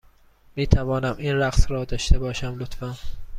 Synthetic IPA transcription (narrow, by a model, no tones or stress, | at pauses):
miːt̪ʰævɒːnæmiːnɾæqsɾɒːd̪ɒːʃt̪ebɒːʃæmlot̪fæn